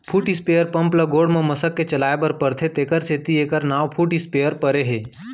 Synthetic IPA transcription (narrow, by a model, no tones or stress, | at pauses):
pʰuːʈispejəɾpɐ̃mpləɡoːɽmẽmɐsəkːet͡ʃɐlaːebəɾpəɾt̪ʰet̪eːkəɾt͡ʃeːt̪ieːkəɾnaːʋpʰuːʈispeːjəɾpəɾeɦeː